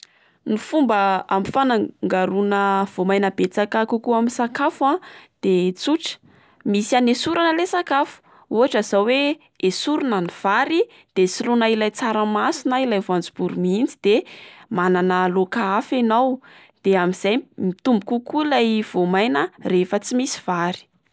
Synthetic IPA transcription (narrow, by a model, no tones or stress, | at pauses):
nifumbəamifanaŋɡaɾunəv̥omajnəbet͡sakakukuaminsakafuãd̪̥et͡suʈ͡ʂə̥ | misianesuɾanəlesakafu̥ | uɦaʈ͡ʂazawe | esuɾunaniv̥aɾi | d̪̥esilunailajt͡saɾəmasinailajvand͡zub̥uɾumiind͡zid̪̥emananəlokaafenaw | d̪̥eamiz̥ajmit̪umbukukuilajv̥omajnərefət͡simisi̥v̥aɾi̥